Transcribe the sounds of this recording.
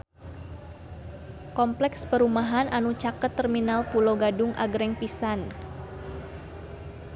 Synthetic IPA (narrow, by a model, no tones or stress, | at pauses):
kɔmplɛkspəɾumaɦanʔanut͡ʃakət̪ːərminalpuloɡadʊŋʔa̰ɡɾɛŋpisan